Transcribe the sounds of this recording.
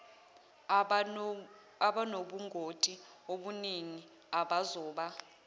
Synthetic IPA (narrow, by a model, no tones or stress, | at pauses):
aɓanoɓuŋɡʱotʼioɓuniŋi | aɓazɔːɓa